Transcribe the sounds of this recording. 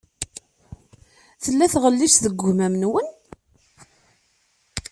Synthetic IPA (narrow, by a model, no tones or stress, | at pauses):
θəlːæθʁəlːiʃðəɡʷːʊmæmənwən